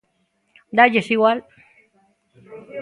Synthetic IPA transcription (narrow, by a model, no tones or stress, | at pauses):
d̪ad͡ʒesiɣwal